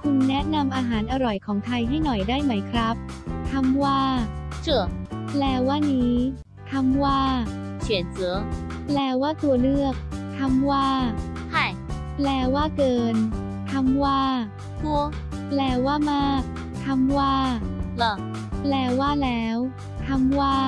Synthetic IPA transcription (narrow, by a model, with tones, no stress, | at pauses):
kʰu˧nːɛ˦˥ʔna˧mʔaː˧ɦaː˩˦nʔa˧ɾɔ˨˩jkʰɔː˩˦ŋt̪ʰa˧jɦa˥˩jnɔ˨˩jdaː˥˩jma˦˥jkʰɾa˦˥p̚t̪ʰa˧mwaː˥˩t͡ɕʰɯ˧˩əlɛː˧waː˥˩niː˦˥ | t̪ʰa˧mwaː˥˩ | t͡ɕʰi˨˩˦nsɯ˩˦ə | plɛː˧waː˥˩t̪u˧ɐlɯ˥˩ək̚t̪ʰa˧mwaː˥˩ | hʰa˥˩j | lɛː˧waː˥˩kɤː˧n | t̪ʰa˧mwaː˥˩ | t̪u˧˩ | lɛː˧˥waː˥˩maː˥˩k̚ | t̪ʰa˧mwaː˥˩lə˧˦ | lɛː˧˥waː˥˩lɛː˦˥w | t̪ʰa˧mwaː˥˩